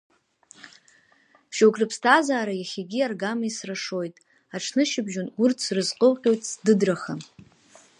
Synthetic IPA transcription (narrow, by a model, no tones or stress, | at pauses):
bʃowkʼrɨpʰstʰazaːɾajaχʲaɡʲiarɡamisraʂo̞jtʼ | aʈ͡ʂʰnɨʃɪbʒonɡʷʊrt͡sʰrɨzqʼəlqʲʼo̞jtʼsdɨdraχa